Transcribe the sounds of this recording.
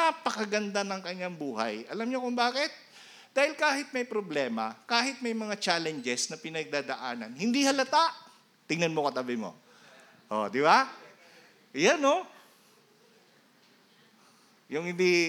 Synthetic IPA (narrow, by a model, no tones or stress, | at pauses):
apɐkɐɡɐnd̪anɐŋkɐɲːaŋbuːɦɐ̰jʔɐlamɲokʊŋbaːkɪt̪̚ | d̪̥aːhɪlkaːhɪt̪̚mɐjpɾoblɛːmɐkaːhɪt̪̚mɐjmɐŋat͡ʃaːlɛnd͡ʒɛsnɐpɪnɐɡ̚d̪aːd̪ɐʔaːnɐnhɪnd̪ihɐlɐt̪aʔ | t̪ɪŋnɐnmokɐt̪abɪmo̰ | ʔo̰d̪ɪba | ʔjano | jʊŋhɪnd̪i